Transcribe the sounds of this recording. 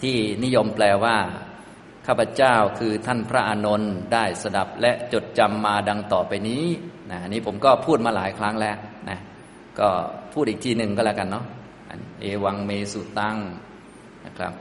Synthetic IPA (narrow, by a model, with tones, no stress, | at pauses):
t̪ʰiː˥˩ni˦˥jo˧mplɛː˧waː˥˩ | kʰaː˥˩pʰɾa˧t͡ɕaː˥˩wkʰɯː˧t̪ʰa˥˩npʰɾa˦˥ʔaː˧no˧ndaː˥˩jsa˧da˨˩p̚lɛ˦˥ʔt͡ɕo˨˩t̪̚t͡ɕa˧mːaː˧da˧ŋt̪ɔː˨˩pa˧jniː˦˥na˦˥˩ʔa˨˧nːiː˦˥˩pʰo˩˦mkɔː˥˩pʰuː˥˩t̪̚maː˧laː˩˦jkʰɾa˦˥ŋlɛ˦˥ʔna̰˦˥ | kɔː˥˩pʰuː˥˩t̪̚ʔiː˨˩t̪ʰiː˧nɯ˨˩ŋkɔː˥˩lɛ˦˧˩ka˧nːɔ˦˥ | ʔa̰˧nʔeː˧wa˧ŋmeː˧su˨˩t̪a˥˩ŋ | na˦˥˩kʰɾa̰˦˥p̚